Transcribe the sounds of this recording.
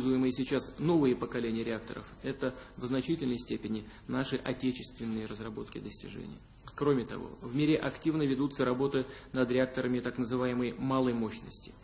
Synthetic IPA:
zʊjɪmɨjəsʲɪt͡ɕasno̞vɨjəpəkɐlʲenʲɪjəɾʲɪak̚t̪ə̰ɾə̰fɛt̪əvznɐt͡ɕitʲɪlʲnəjsʲtʲepʲɪnʲɪnaʂɨʔɐtʲet͡ɕɪ̥st̪vʲɪnːɨjərəzrɐbo̞t̪kʲɪd̪əsʲtʲɪ̰ʐɛ̰nʲɪ̰jə | kɾo̞mʲɪt̪ɐ̰vo̰vmʲeɾʲɪʔɐktʲivnəvʲɪd̪ut̪səɾɐbo̞t̪ɨnəd̪ɾʲɪak̚t̪əɾəmʲɪt̪aknəzɨvajɪməjmalˠəjmo̞ɕnəsʲtʲɪ̥

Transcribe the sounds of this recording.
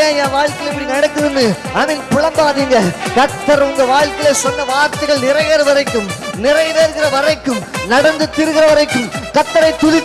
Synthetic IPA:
ãːjãːʋaːɻkɪlɛpːɐɽinɐɽɐkːɯɾɯnːɯ | aːmɐnpʊɻɐmbaːðiːŋɡɐkɐt̪ːɐɾʊŋɡɐʋaːɭkɪlesɔnːɐʋaːɾt̪ɐɪɣɐɭnɪrɐjeːɾɯʋɐɾɐɪkːɯmnɪrɐɪjɾeːɾɣɪrɐʋɐɾɐɪkːɯmnɐɽɐnd̪ɯt̪ɪɾɯɣɪɾɐʋɐɾɐɪkːɯmkɐt̪ːɐɾɐɪt̪ːʊlɪ

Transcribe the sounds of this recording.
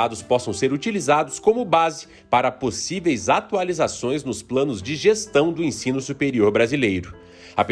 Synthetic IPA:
ad̪ʊspɔsɐ̃w̃seɾut͡ʃilizad̪ʊskõmʊbazɪ | paɾɐposivejzat̪ualizasõj̃znʊsplɐ̃nʊzd͡ʒɪʒest̪ɐ̃w̃d̪ʊẽsĩnʊsupeɾioɾbɾazilejɾʊ | ap

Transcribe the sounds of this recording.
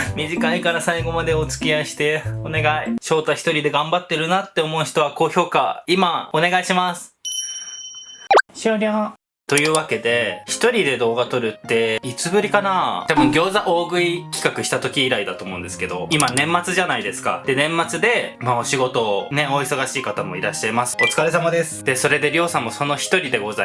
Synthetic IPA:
mʲiʑikaikaɾasaiɡo̞mad̪eo̞t͡sɨ̥kʲiaɕi̥t̪e̞one̞ɡaiɕo̞ːt̪açi̥t̪o̞ɾʲid̪e̞ɡãmbat̪ːeɾɯ̟nat̪ːe̞o̞mo̞ɯ̟çi̥t̪o̞βako̞ːço̞ːkaimao̞ne̞ɡaiɕimasɨ̥ | ɕoɾʲo | t̪o̞jɯ̟ːβake̞d̪e̞çi̥t̪o̞ɾʲid̪e̞d̪o̞ːɡat̪o̞ɾɯ̟t̪ːe̞it͡sɨbɯ̟ɾʲikanat̪abɯ̟̃ŋɡʲo̞ːzaʔo̞ːɡɯ̟ikʲi̥kakɯ̟ɕi̥t̪at̪o̞kʲiːɾaid̪at̪o̞ːmo̞ɯ̃nd̪e̞sɨ̥ke̞d̪o̞imanẽ̞mːat͡sɨʑanaid̪e̞sɨ̥ka̰d̪̥e̞nẽ̞mːat͡sɨd̪e̞mao̞ɕiɡo̞t̪o̞ne̞o̞iso̞ɡaɕiːkat̪amo̞̰iɾaɕi̥ːaimasɨ̥o̞t͡sɨ̥kaɾesamad̪e̞sɨ̥d̪̥eso̞ɾe̞d̪e̞ɾʲo̞ːsãmːo̞so̞no̞çi̥t̪o̞ɾʲid̪e̞ɡo̞za

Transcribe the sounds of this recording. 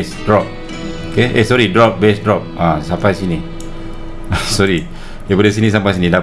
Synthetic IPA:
sdɾɔp̚ | okeʔesɔɾidɾɔp̚bɛsdɾɔp̚ãsampajsini | asɔɾi | dabadəs̬inĩs̬ampajsinĩda

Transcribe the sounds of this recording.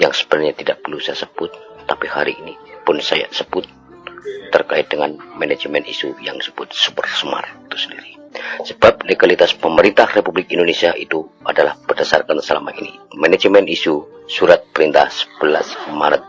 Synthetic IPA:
jaŋsə̥bənaɲat̪idaʔ̚bəlusajasəb̥ʊt̪̚ːapihaɾiːnipʊnsaja̰səbʊt̪̚ː | ərkait̪̚dəŋanmɛned͡ʒmɛnisujaŋsəbʊt̪̚subərsəma̰rt̪u̥səndiɾisəbap̚leɡalit̪aspəməɾint̪ahrepublɪkindonesiaʔit̪ua̰dalahbərdasa̰rkansəlama̰ʔinḭmɛned͡ʒmɛnisusuɾat̪̚pəɾint̪ahsə̥bəlasmaɾət̪̚

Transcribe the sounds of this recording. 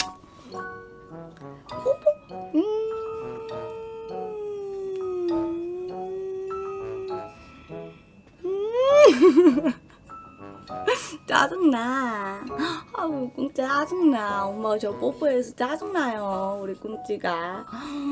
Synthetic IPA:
pupuɯ | ɯ | t͡ɕa̰d͡ʑuŋna | aukuŋt͡ɕ͈iɦad͡ʑuŋnaomat͡ɕʌpopʰuesʰʌt͡ɕad͡ʑuŋnajouɾikuŋt͡ɕ͈iɡa

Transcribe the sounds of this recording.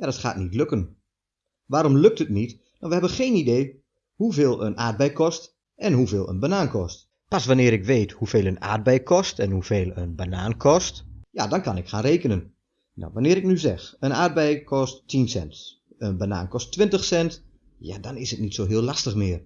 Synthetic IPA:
jadɔtχa̰ːtnitløkən | ʋaːɾɔmløk̚thətnit | nɔʋəhɛbənxeːnideː | huveːlˠə̰nʔa̰ːd̚bɛjkɔst | ʔɛnɦuveːlˠə̰nbanaːnkʰɔst | pasʋanɪːəɾɪkʋeːthuveːlˠəna̰ːd̚bɛjkʰɔstɛnhuveːlˠənbanaːnkʰɔstjadɔnkanɪkxaːnreːkənən | na̰wʋanɪːɾɪknyzɛxənaːr̚bɛjkʰɔstːʰinsɛ̰nt | ənbana̰ːnkɔstːʋɪntəxsɛnt | ja̰dɔnɪsətnitsoːɦɪːlastəxmɪər

